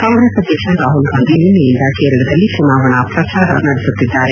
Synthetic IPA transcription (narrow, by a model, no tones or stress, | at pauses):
kãːŋɡɾesɐd̪iːkʂɐɾaːɦulɡaːnd̪ininijind̪ɐkeːɾɐɭɐd̪ɐlːit͡ʃunaːʋɐɳɐpɾɐt͡ʃaːɾɐ̰nɐɽesut̪ːid̪ːaːɾe